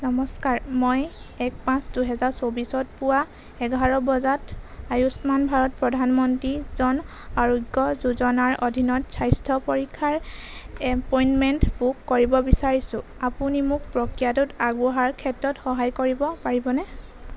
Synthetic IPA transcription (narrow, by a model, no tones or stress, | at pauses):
nɔmɔskaɹmɔjɛk̚pãsduɦɛzaɹsobisɔt̚pʊwa | ɛɡʱaɹɔbɔzatajusmanbʱaɹɔt̚pɹɔdʱanmɔntɹizɔn | aɹɔɡɔzuzɔnaɹodʱinɔtsajstʰɔpoɹikʰːaɹɛpɔjnmɛntbukːoɹibɔbisaɹisʊ̃ | apunimʊk̚pɹɔkijatʊtaɡuɦaɹkʰɛtɹɔtxɔɦajkoɹibɔpaɹibɔnɛ